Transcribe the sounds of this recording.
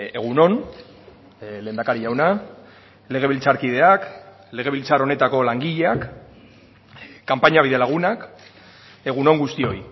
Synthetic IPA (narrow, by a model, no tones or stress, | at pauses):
e̞ɣ̞uno̞n | leːnd̪akaɾiʝawna | le̞ɣ̞e̞β̞ilt͡saɾkið̞e̞ak | le̞ɣ̞e̞β̞ilt͡saɾo̞ne̞t̪ako̞laŋɡiʎeak | ampaɲaβ̞iðe̞laɣ̞unak | e̞ɣ̞uno̞ŋɡust̪io̞j